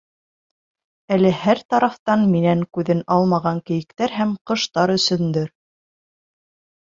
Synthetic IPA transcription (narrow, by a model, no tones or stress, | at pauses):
ælɘhæɾt̪ɑɾɑft̪ɑnminæŋkʉðɘnɑlˠmɑʁɑŋkɘ̆jɘ̆kt̪æɾɦæmqɤ̆ʃt̪ɑɾɵ̆sɵ̆nd̪ɘɾ